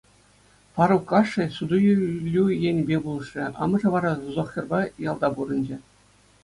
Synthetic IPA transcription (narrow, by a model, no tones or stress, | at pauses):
pɑɾukːɑʂːɘ̆sud̪ujlʲːujenʲbʲebulˠɤ̆ʂʲɘ̆ʔɑ̰mɤ̆ʐɤ̆ʋɑɾɑzuzŏχʲjʲɤ̆rbɑjɑlˠd̪ɑbuɾɤ̆nd͡ʑĕ